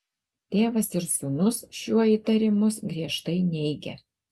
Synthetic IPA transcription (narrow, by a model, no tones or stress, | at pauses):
t̪ʲeːʋɐsɪɾsunʊsʃʲuɔiːt̪ɐɾʲɪmʊsɡɾʲiɛʃt̪ɐɪnʲɛɪɡʲɛ̰